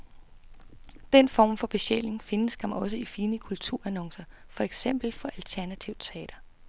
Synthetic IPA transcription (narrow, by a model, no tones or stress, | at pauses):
d̥enfɒ̰ːmfɒ̽b̥e̝ɕel̰e̝ŋfe̝nəsɡ̥æmæɒ̽s̬əifiːnəkʰult͡sʰuɐ̰ænɒ̽ŋsɐfɒ̽eɡ̥sem̰b̥l̩fɒ̽ʔælt͡sʰæɐnæt͡sʰiʊt͡sʰe̝ɛ̰ːɾ̥ɐ